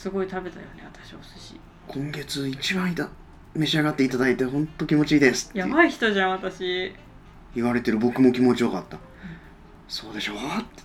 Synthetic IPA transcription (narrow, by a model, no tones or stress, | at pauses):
sɨɡo̞it̪abe̞t̪a̰jo̞̰neβat̪ḁɕiao̰sɨɕḭ | kʰõ̞ŋɡe̞t͡sɨit͡ɕibãɰ̃it̪a | me̞ɕiaɡat̪ːeit̪ad̪ait̪e̞ɦõ̞nt̪ːo̞kʲimo̞t͡ɕiːd̪e̞sɨ̥t̪ːja̰baiçi̥t̪o̞ʑãat̪aɕi | iβaɾe̞t̪e̞ɾɯ̟bo̞kɯ̟mo̞kʲimo̞t͡ɕiokat̪ːa | so̞ːd̪e̞ɕo̞t̪ːe